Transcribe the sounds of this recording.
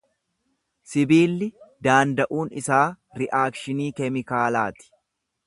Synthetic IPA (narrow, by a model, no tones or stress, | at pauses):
sɪbiːlːɪd̪aːnd̪ɐʔuːnɪsaː | ɾɪʔaːkʃɪniːkɛmɪkaːlaːt̪ɪ̥